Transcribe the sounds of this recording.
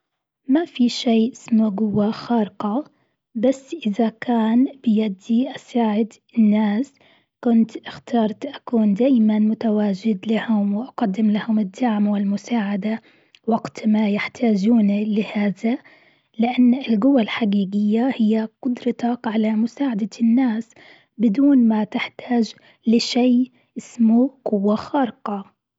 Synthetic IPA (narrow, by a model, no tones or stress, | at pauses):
mafiʃeːʔɪsmuɡʊwːaxɑːɾɪqɑ | basːʔɪðakʰaːnbɪjad̪ːiʔasaːʕɪd̪ | ɪnːaːs | kʊnt̪ʔɪxt̪ɑːɾˤt̪ʔakuːnd̪aːjmanmʊt̪awaːd͡ʒɪd̪lahʊmwɪʔaɡɑd̪ːɪmlahʊmɪd̪ːaʕmwɪlmʊsaːʕad̪a | wɑɡt̪majɪħt̪ʰaːd͡ʒuːnlɪhaːða | lɪʔanːɪlɡʊwːalħaɡiːɡɪjːahɪjːaqʊd̪ɾɑt̪ɑkʕalamʊsaːʕad̪anːaːs | bɪd̪uːnmat̪ɪħt̪ʰaːd͡ʒ | lɪʃaː | ʔɪsmuqʊwːaxɑːɾɪqɑ